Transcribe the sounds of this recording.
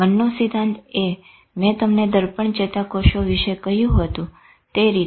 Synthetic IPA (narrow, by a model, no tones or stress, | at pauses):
mənːosid̪ʱane | mɛ̃t̪əmned̪əɾpəɳt͡ʃet̪akoʃoʋiʃekəɦjũɦət̪ũ | t̪eɾi